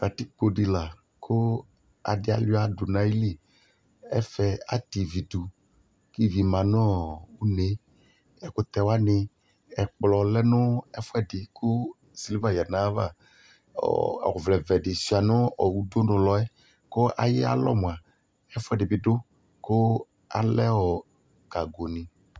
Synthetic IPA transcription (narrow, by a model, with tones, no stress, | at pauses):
ka˨tɪ˦k͡po˨dɪ˨la˨ | kʰʊ˦ | a̰˨dɪ˦a̰˨la˦dʊ˨nã˨˦i˦li˦˨ | ɛ̰˦fɛ˨a̰˦t̪i˨vi˨du˨ | ki˦vi˨mã˨nɔ̃˦u˦ne˨˦ | ɛ˨kʊ˨t̪ɛ˨wa˦nɪ˨ | ɛ˨k͡plɔ˨lɛ˦nʊ̃˦ɛ˦fʊ˦ɛ˦dɪ˨kʊ˦ | si˨li˦va˨ja˨nã˦va̰˦˨ | ɔ˨vlɛ˨vɛ˨dɪ˨si˨a˨nʊ̃˦ɔ˨wu˦dʊ˦nʊ̃˨lɔ˨˦ɛ˦ | kʊ˦ʔa̰˨jɪ˦a̰˦lɔ̰˦m̃˨a˨ | ɛ˦fʊ˦ɛ˦˨dɪ˨bɪ˨˦dʊ˦ | kʊ˦ | a̰˨lɛ˦wɔ˨ | ka˨ɡo˨nɪ̃˨